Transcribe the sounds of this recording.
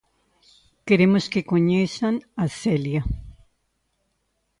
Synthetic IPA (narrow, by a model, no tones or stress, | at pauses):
keɾemoskekoɲesanaselja